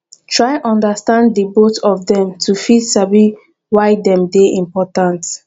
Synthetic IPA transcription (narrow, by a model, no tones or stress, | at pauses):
tʰɹaɪʔɔ̃ndəstãnddəbotɔfdɛ̃mtʰufidsabi | waɪdɛ̃mdeʔĩmpɔtãnt